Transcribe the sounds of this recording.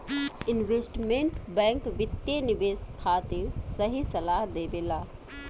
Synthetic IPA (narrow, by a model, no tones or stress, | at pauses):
ɪnʋeːsʈmẽɳʈbɛ̃ːŋkʋɪt̪jeniʋeːst̪ʰaːt̪iɾsəɦisəlaːɦd̪eːbela